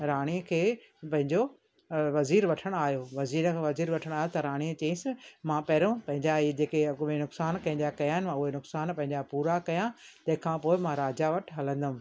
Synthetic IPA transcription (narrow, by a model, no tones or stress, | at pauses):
ɾaːɽ̃iəkʰeː | pɐ̃ɦɪ̃ɲd͡ʑo | ʋɐziːɾʋɐʈʰəɽ̃aːɦjoʋɐziːɾkʰãʋɐziːɾʋɐʈʰəɽ̃aːɦjot̪ɐɾaːɽ̃iət͡ɕɐĩsɪmãpɐɦɪɾõpɐ̃ɦɪ̃ɲd͡ʑaid͡ʑeːkeenʊksaːnkɐ̃ɦɪ̃d̪akɐjaːɦɪnɪmãʊɦenʊksaːnpɐ̃ɦɪ̃ɲd͡ʑapuːɾakɐjãt̪ɐ̃ɦɪ̃kʰãːpoːɪmãɾaːd͡ʑaʋɐʈʰɦɐlə̃nd̪əũ